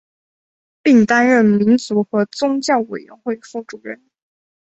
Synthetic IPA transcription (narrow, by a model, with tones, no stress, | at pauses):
pi˥˩ŋt̪a˥nɻə˥˩nmi˧˥nt͡su˧˥xɤ˧˥t͡sʊ˥ŋt͡ɕjɑ˥˩ʊwe˨˩ɪɥə̰˧˥nxwe˥˧ɪfu˥˩ʈ͡ʂu˨˩ɻə˥n